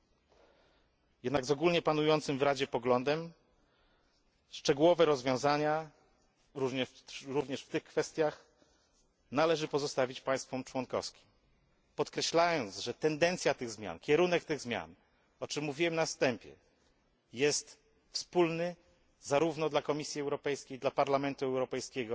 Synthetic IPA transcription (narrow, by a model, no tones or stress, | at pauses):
jɛd̪naɡzɔɡulɲɛpanujɔnt̪sɘmvɾad͡ʑɛpɔɡlɔnd̪ɛm | ʂt͡ʂɛɡuwɔvɛɾɔzvʲjɔ̃w̃zaɲa | ɾuvɲɛɾuvɲɛʂft̪ɘxkfɛst̪ʲjax | nalɛʐɘpɔzɔst̪avʲit͡ɕpaj̃st̪fɔmt͡ʂwɔnkɔ̰fskʲi̥m | pɔt̪kɾɛɕlajɔnt̪zʐɛt̪ɛnd̪ɛnt̪sʲjat̪ɘɣzmʲja̰nkʲɛɾunɛkt̪ɘɣzmʲja̰n | ɔt͡ʂɘmːuvʲiwɛmnafst̪ɛmpʲjɛ̰ | jɛst̪ | fspulnɘ | zaɾuvnɔd̪lakɔmʲisʲjiɛwɾɔpɛjskʲejd̪lapaɾlamɛnt̪uɛwɾɔpɛjskʲɛɡɔ